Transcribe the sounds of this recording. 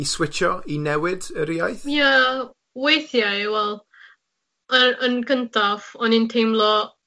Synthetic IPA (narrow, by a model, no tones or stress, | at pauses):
iswɪt͡ʃɔinɛwɪdəɾiajθja | wejθjajwɛlˠ | əənɡəntʰafɔnintʰejmlˠɔ